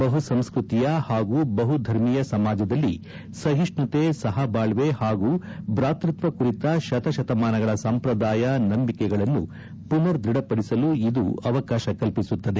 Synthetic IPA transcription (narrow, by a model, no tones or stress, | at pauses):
bɐɦusɐmskɾut̪ijɐhaːɡuːbɐɦud̪ʱɐɾmijɐsɐmaːd͡ʒɐd̪ɐlːi | sɐɦiʂɳɐt̪esɐɦɐbaːɭʋehaːɡuːbɾaːt̪ɾɐt̪ʋɐkuɾit̪ɐʃɐt̪ɐʃɐt̪ɐmaːnɐɡɐɭɐsɐmpɾɐd̪aːjɐnɐmbikɛɡɐɭɐnːṵ | punɐɾd̪ɾiɽɐpɐɽisɐluid̪uɐʋɐkaːʃɐkɐlpisut̪ːɐd̪e